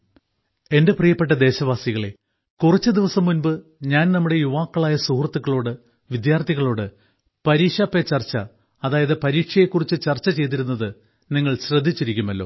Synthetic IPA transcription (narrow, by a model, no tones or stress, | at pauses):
e̞nde̞prijɐpːe̞ʈ̬ːɐd̪e̞ːɕɐʋaːsiɣɐɭe̞ | kurɐt͡ɕːɨd̪iʋɐsɐmːunbɨɲaːnnɐmːuɽe̞juʋaːkːɐɭaːjɐsuhrɐt̪ːukːɐɭo̞ːɽɨ | ʋid̪jaːrt̪ʰiɣɐɭo̞ːɽɨ | pɐɾiːkʂaːpːet͡ɕːɐrt͡ɕːɐ̰ | ɐðaːjɐðɨpɐɾiːkʂɐjekːurit͡ɕːɨt͡ɕɐrt͡ɕːɐt͡ɕe̞jt̪̬iɾunːɐðɨ | niŋːɐɭɕrɐd̪ʱːit͡ɕːiɾikʲːumɐlːo̞̰ː